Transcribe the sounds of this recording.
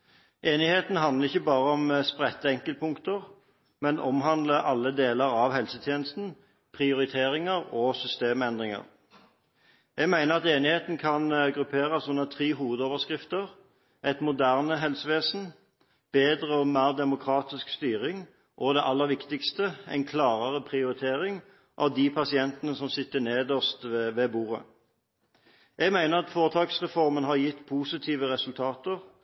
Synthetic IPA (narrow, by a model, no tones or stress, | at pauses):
ʔeːnɪheːt̪nɦɑnd̪ləʁɪçːəbɑːʁəɔmspʁɛt̪ːəɛŋkəlt̪̚pʰʊŋkt̪əʁ | mɛnʔɔmɦɑnd̪ləʔɑlːəd̪eːləʁɑʋhɛlsət̪ʰjeːnəst̪n̩ | pʰʁɪʊʁɪt̪ʰeːʁɪŋəʁɔːsʏst̪eːmɛnd̪ʁɪŋə̰ʁ | jɛɡmæɪnəʁɑt̪eːnɪheːt̪nkʰɑnɡʁʉpʰeːʁəsɔnːət̪ʰʁiːɦuːʋəd̪oːʋəskʁɪft̪əʁ | ʔɛɪt̪mʊd̪æʁnəɦɛlsəʋeːsn̩ | b̥eːd̪ʁəɔmæːʁd̪ɛmʊkʰʁɑːt̪ɪskst̪yːʁɪŋ | ʔɔd̪ɛʔɑlːəʁʋɪkt̪ɪkst̪əɛ̰ɪnkʰlɑːʁəʁəpʰʁɪʊʁɪt̪ʰeːʁɪŋ | ʔɑ̰ʋd̪ipʰɑsɪɛnt̪ənəsɔmsɪt̪ːəneːd̪ɔst̪ːʋeːbuːʁə̰ | jɛɡmæɪnəʁɑt̪foːʁt̪ʰɑːksʁɛfɔʁmənɦɑjɪt̪ːpʰuːsɪt̪ʰiːʋəʁɛsʉlt̪ʰɑːt̪əʁ